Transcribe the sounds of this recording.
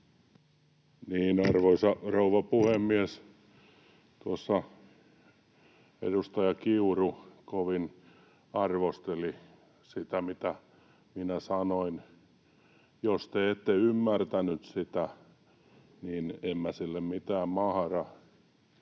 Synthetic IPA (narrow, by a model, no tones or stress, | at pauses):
niːnɑrʋoisɑrouʋɑpuhemːies | t̪uosːɑ | ḛdust̪ɑjɑkiurukoʋin | ɑrʋost̪eli | sit̪æmit̪æ | minæsɑnoin | jost̪eet̪ːeymːært̪ænyt̪sit̪æ | niːnemːæsilːemmit̪æːmmɑhɑrɑ